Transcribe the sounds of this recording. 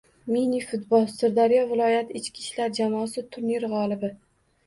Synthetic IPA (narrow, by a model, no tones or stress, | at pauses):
minifʊt̪bɒlˠsɨɾd̪aɾijɒvɪlˠɒjat̪ʰɪɪt͡ʃkʲi̥ʃlaɾd͡ʒamɒːsɪt̪ʰʊɾniɾʁɒlˠɪbɪ